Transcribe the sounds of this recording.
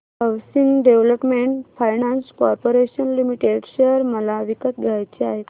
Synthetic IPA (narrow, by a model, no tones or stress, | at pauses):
ɦəsiŋɡɖeʋləpmeɳʈfajnãnskɔɾpoɾeɕənlimiʈeɖɕejəɾməlaʋikət̪̚ɡ̪ʱajt͡ɕeaɦe